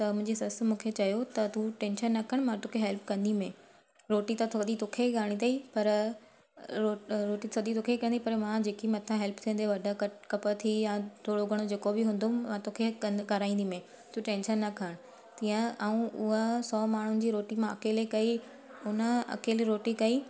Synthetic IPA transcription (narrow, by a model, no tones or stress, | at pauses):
t̪ɐmʊ̃ɦɪ̃ɲd͡ʑisɐs̆mũːkʰet͡ɕɐjot̪ɐt̪ʰuʈẽːnʃənːɐkʰəɽ̃mãt̪oːkʰeɦɛlpkɐ̃nd̪imẽ | ɾoːʈit̪ɐt̪ʰod̪it̪ʊkʰeɡaːɽ̃ĩd̪ɐipɐɾ | oɾoːʈit̪ʰɐd̪it̪ʊkʰekɐ̃nd̪ipɐɾmãd͡ʑeːkimɐ̃t̪ʰãɦɛlpt̪ʰĩːnd̪eʋɐɖʱəkɐkɐpət̪ʰijãt̪ʰoːɽoɡʱɐɽ̃od͡ʑeːkobɪɦʊ̃ːnd̪ʊmmãt̪oːkʰekɐɡɐɾaːĩːnd̪imẽ | t̪ʰuʈẽːnʃənːɐkʰəɽ̃ʊ | t̪iːə̃aːũʔʊɦəsɔːmaːɳ̤ʊnɪ̆d͡ʑiːɾoːʈimãɐkeːlekɐi | ʊnəɐ̰keːlɾoːʈikɐiː